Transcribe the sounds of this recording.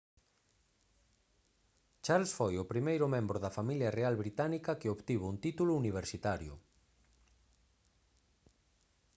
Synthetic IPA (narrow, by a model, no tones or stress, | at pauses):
t͡ʃalsfojʊpɾimejɾʊmẽmbɾʊðɐfamiljɐrealβɾit̪anikɐkɪoβt̪iβʊunt̪it̪ulʊuniβ̞eɾsit̪aɾjʊ̰